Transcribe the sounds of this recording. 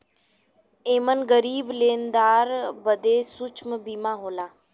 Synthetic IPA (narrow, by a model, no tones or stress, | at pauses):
eːmənɡəɾiːbleːnd̪aːɾbəd̪eːsʊt͡ʃʰməbiːmaːɦoːlaː